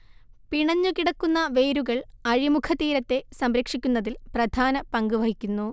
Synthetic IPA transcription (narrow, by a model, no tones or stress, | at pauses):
piɳɐɲːukiɽɐkːunːɐʋe̞ːɾuɣɐɭɐɻimukʰɐt̪iːɾɐt̪ːe̞sɐmɾekʂikʲːunːɐðilprɐd̪ʱaːnɐpɐŋɡuʋɐɦikʲːunːu